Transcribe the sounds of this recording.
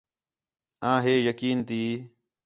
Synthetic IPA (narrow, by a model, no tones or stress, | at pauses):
ãːɦeːjəkiːnt̪iː